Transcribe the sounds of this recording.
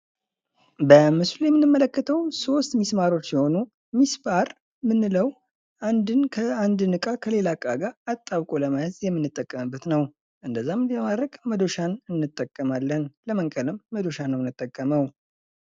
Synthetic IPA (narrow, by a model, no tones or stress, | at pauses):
bəmɨslujɛmːɨnːɨmːələkːət̪ʰəwso̞st̪mismaɾo̞t͡ʃːsɛho̞nu | misbaɾ | mɨnːɨləw | ʔand̪ɨnkʰəand̪ɨnɨkʼakʰəle̞lakʼːaɡaat̪ʼːawkʼoləmajɨzjɛmːɨnːɨt̪ʼːəkʼːəmɨbːət̪nəw | ʔɨnd̪əzːamɨliəmad̪ɾəkʼməd̪o̞ʃanɨnːɨt̪ʼːəkʼːəmalːənləməŋkʼələmːəd̪o̞ʃanːəwɨnːɨt̪ʼːəkʼːəməw